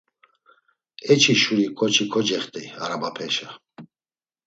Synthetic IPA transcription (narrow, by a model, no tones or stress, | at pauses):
ɛt͡ʃʰiʃuɾikʰɔt͡ʃʰikʰɔd͡ʒɛχt̪ʼɛaɾabapʰɛʃa